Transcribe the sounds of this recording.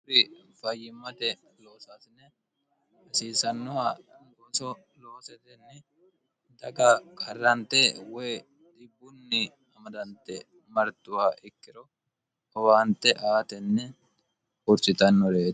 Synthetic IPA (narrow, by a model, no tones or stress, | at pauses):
ɾɪfɐjːɪmːɐt̪ɛ | lo̞ːsaːsnːɛ | ɐsiːsɐnːɔaɡoːsɔ | lo̞ːsɛt̪ɛnːɛ | d̪ɐɡɐkʰɐrːɐnt̪ɛwɔj | d̪ɪbːʊnːɪ | ɐmɐd̪ɐnt̪ːɛ | mɐɾt̪ːʊwaːʔɪkːɪɾɔ | ɔwaːnt̪ːɛʔaːt̪ɛnːɛ | ʊɾt͡ʃʼːɪt̪ɐnːɔɾeː